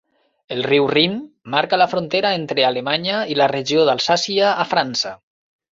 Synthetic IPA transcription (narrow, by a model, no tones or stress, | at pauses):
elˠriwrim | maɾkalafɾont̪eɾaent̪ɾealemaɲailareʒioðalˠsasiaːfɾansə